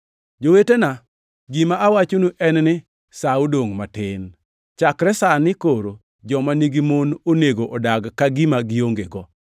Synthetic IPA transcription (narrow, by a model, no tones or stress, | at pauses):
d͡ʒowetena | ɡimaawat͡ʃonuʔɛnnɪ | saodoŋmatɪn | t͡ʃakɾɛsanɪkoɾo | d͡ʒɔmaniɡimononeɡoʔɔdaɡkaɡɪmaɡɪoŋɡeɡɔ